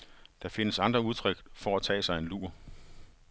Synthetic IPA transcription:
d̥ɑ̈fe̝nəsɑ̈nd̥ʁɐuð̞ˠt͡sʰʁœɡ̥fɒæt͡sʰɛ̰ːsɑ̈ɪenlṵːɐ

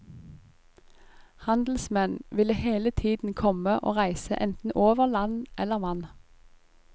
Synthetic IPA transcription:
hɑnd̪l̩smɛnʋɪləheːlət̪ʰiːd̪n̩kʰɔməʔo̰ːʁæɪsə̰ʔɛnt̪n̩ʔoːʋəʁlɑnʔɛləʁʋɑn

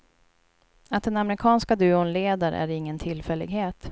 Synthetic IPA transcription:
at̪̚d̪ɛnamɾɪkʰɑːnskad̪ʉ̟ːʊnleːd̪aɾ̰ʔæ̰ɾɪŋːənt̪ʰɪlːfɛlːɪ̰ɡheːt̪

